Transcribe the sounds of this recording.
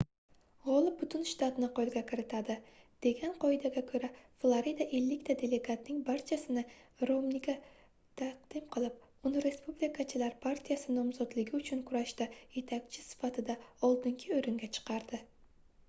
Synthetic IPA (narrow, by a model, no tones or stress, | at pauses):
ʁɒlˠɪp̚bʊt̪ʰʊnʃt̪at̪nɪqolˠɡʲakʰʲɪɾɪt̪ʰad̪ɪ | d̪̥e̞ɡʲanqʰɒjd̪aɡʲakʰɵɾaflˠaɾid̪aʔe̞lːɪkʲt̪ʰad̪e̞le̞ɡat̪nɪŋbaɾt͡ʃʰasɪnɪɾomnɪkʲa | t̪ʰaqd̪̥ɪmqʰɨlˠɪp̚ʊnɪɾe̞spublikʰat͡ʃʰɪlaɾpʰaɾt̪ʰijasɪnɒmzɒd̪lɪɡʲɪʊt͡ʃʰʊnkʰʊɾaʃt̪aje̞t̪ʰakʲt͡ʃʰɪsɪ̥fat̪ʰɪd̪aɒlˠd̪ɪŋkʲʰɪoɾɪŋɡʲat͡ʃʰɨ̥qʰɑɾd̪̥ɪ